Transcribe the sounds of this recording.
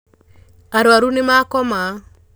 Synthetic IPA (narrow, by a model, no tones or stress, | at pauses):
aɾwaɾunɪmakɔma